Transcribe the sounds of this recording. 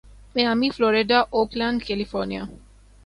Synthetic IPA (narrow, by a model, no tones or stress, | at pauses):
mɛ̃amiflɔɾeɖaʔoplãnɖkelifɔɾnia